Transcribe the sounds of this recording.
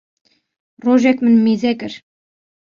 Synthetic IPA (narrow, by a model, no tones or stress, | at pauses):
roʒækmɘ̆nmezækɘ̆ɾ